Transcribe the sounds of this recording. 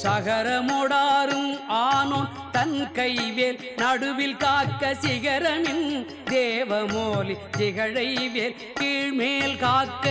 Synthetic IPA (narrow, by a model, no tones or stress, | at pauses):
sɐɣɐɾɐmɔɽaːɾɯmaːnoːn | t̪ɐnkɐɪʋeːl | nɐɽɯʋɪlkaːkːɐsɪɣɐɾɐmɪn | d̪eːʋɐmoːlisɪɣɐɻɐɪʋeːl | kiːɻmeːlkaːkːɐ